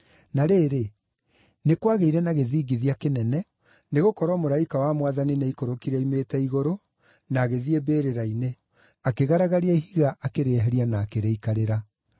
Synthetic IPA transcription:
naɾeːɾe | nekwaɣeiɾɛnaɣeðiːɡiðiakenɛnɛ | neɣokɔɾwɔmoɾaikawamwaðaninaikoɾokiɾɛimetɛiɣoɾo | naːɣeðiebeːɾeɾaine | akeɣaɾaɣaɾiaiɦiɣaʔakeɾeɦɛɾianaːkeɾeikaɾeɾa

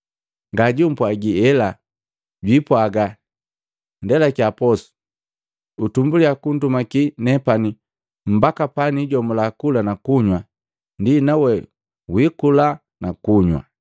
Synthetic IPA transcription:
ŋɡaɟum̩pwaɡiɛla | ɟwipwaɡa | ndɛlakjapɔsu̥ | utumbuliakun̩dumakinɛpani | m̩bakapaniɟɔmulakulanakuɲwa | ndinawɛ | wikula | nakuɲwa̰

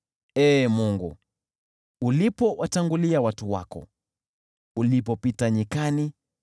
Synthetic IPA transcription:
ɛːmuŋɡṵ | ulipɔwataŋɡuliawatuwa̰kɔ̰ | ulipɔpitaɲikani

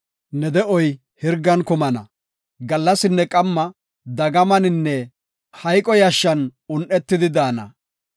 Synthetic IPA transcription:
nɛd̪ɛʔɔj | hɪɾɡɐnkʊmɐnɐ̰ | ɡɐlːɐsɪnːɛkʼɐmːɐ | d̪ɐɡɐmɐnɪnːɛ | hɐjkʼɔjɐʃːɐnʊnʔɛt̪ːɪd̪ɪd̪aːnɐ̰

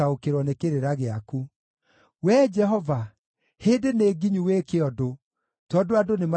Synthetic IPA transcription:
aokeɾwɔnekeɾeɾaɣeaku | wɛd͡ʒɛɦɔva | heːdeneːɡiɲuwekeɔdo | tɔdoadonem

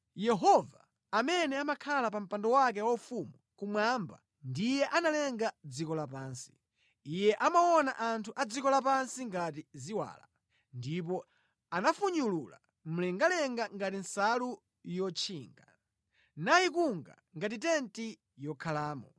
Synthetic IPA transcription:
jɛɦɔvaː | mɛnɛamakʰalapam̩pandɔwak̬ɛwaufumukumwamba̰ | ndijɛʔanalɛŋɡad͡zikɔlapaːnsi̥ | ijɛʔamawɔna̰ʔantʰuʔad͡zikɔlapansiŋɡat̬iziwa̰ːla̰ | ndip̬ɔ | anafuɲulula̰ | m̩lɛŋɡalɛŋɡaŋɡatinsalu | jɔt͡ʃʰiːŋɡa | najikuŋɡa̰ | ŋɡatitɛnti | jɔkʰalaːmɔ

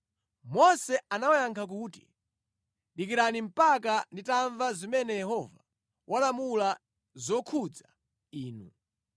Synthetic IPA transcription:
mɔsɛanawajaŋkʰak̬uːti̥̰ | ɗik̬iɾanim̩pakanditaɱvazimɛnɛjɛhɔva | wʔalamula | zɔkʰud͡za | iːnṵ

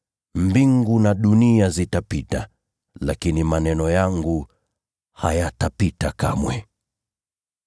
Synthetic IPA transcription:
mbiŋɡunaɗuniazitapita | lakinimanɛnɔjaŋɡu | ha̰jatapitaka̰mwɛ

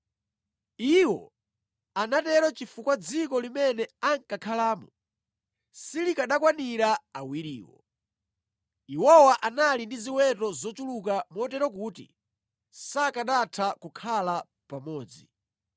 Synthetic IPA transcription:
iwɔ̰ | anatɛɾɔt͡ʃifukwad͡zikɔlimɛnɛaŋkakʰalaːmɔ | silikaɗakwaniɾaawiɾiːwɔ̰ | iwɔwaʔanalindiziwɛtɔzɔt͡ʃulukamɔtɛɾɔk̬uːtḭ | sakaɗatʰakukʰala | pamɔːd͡zi

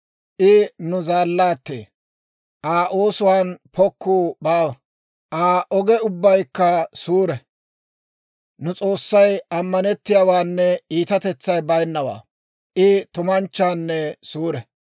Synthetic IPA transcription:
ʔɪnʊzaːlːaːt̪ːḛː | ʔaːʔoːsʊwaːnpɔkːuːbaːwɐ | ʔaːʔɔɡɛʊbːɐjkːɐsuːɾɛ | nʊt͡sʼo̞ːsːɐjɐmːɐnɛt̪ːɪjawaːnːɛiːt̪ɐt̪ɛt͡sːɐjbɐjnːɐwa̰ː | ʔɪt̪ʊmɐnt͡ʃːaːnːɛsuːɾɛ

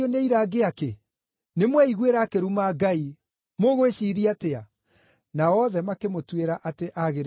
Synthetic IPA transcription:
oneiɾaɡeake | nemwɛiɣweɾakeɾumaɡai | moɣoeɕiɾiatea | naɔðɛmakemotweɾaʔateʔaɣeɾ

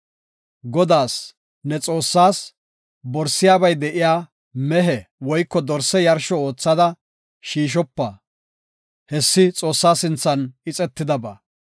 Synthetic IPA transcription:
ɡɔd̪aːs | nɛt͡sʼo̞ːsːaːs | bɔɾsːɪjaːbɐjd̪ɛʔɪjaː | mɛɦɛwɔjkːɔd̪ɔɾsɛjɐɾʃɔoːt͡sːɐd̪ɐ | ʃiːʃ̬ɔpːɐ | hɛsːɪt͡sʼo̞ːsːaːsɪnt͡sːɐnɪt͡sʼɛt̪ːɪd̪ɐbɐ̰

